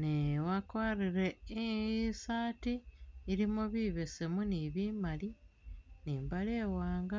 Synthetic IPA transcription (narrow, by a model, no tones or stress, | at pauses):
newakwaːɾiɾeisaːtiːɾimoβiβe̞semuniβiːmaliniːmbaleːwaːŋɡa